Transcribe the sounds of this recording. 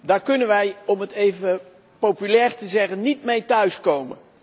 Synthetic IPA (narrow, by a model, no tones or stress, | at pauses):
daːɹkɵnənʋɛjɔmətejvə | powpylɛːɹtəzɛχənːitmejtœɥskowmə̰n